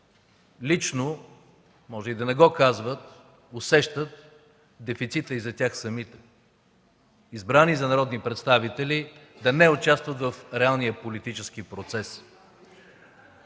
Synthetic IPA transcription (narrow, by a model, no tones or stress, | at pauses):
lit͡ʃno | mɔʒɛid̪ɐnɛɡɔkazvət̪̚ | ʊsɛʃt̪ət̪̚ | d̪ɛfit̪sit̪əizɐt̪ʲaxsɐmit̪ɛ̥ | izbɾanizɐnɐɾɔd̪nipɾɛt̪st̪avit̪ɛlid̪ɐnɛʊt͡ʃast̪vət̪vəfɾɛalˠnijəpolit̪it͡ʃɛskipɾot̪sɛs